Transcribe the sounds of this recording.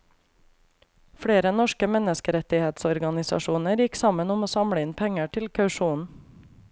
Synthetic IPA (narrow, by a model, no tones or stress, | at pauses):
fɽeːɾənɔʃkəmɛnəskəɾɛt̪ɪheːt̪sɔɾɡɑnɪsɑ̰ʃuːnəɾjɪksɑmənʊmoːsɑmɽəɪnpʰɛŋəʈʰɪlkʰɑʉʃuːnn̩